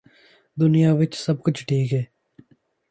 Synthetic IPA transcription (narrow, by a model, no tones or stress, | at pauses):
d̪ʊnɪjaːʋɪt͡ʃsəb̚kʊt͡ʃʰʈʰiːkɦɛː